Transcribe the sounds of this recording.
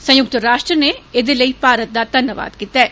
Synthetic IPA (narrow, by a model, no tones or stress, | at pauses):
sɐ̃jʊk̚t̪əɾaːʃʈɾəneed̪eləipaːɾət̪̚d̪ad̪ʱɐnjəʋa̰ːd̪kit̪ːɛː